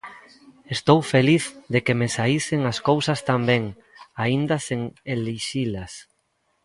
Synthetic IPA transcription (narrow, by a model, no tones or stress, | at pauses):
est̪owfeliθd̪ekemesaisɪŋaskowsɐst̪ambɛ̃ŋ | aind̪ɐseŋeliʃilɐs